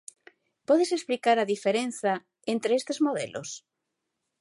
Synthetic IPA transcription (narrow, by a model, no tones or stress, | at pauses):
pɔðesesplikaɾaðifeɾenθa | ent̪ɾeest̪ezmoðḛlʔo̰s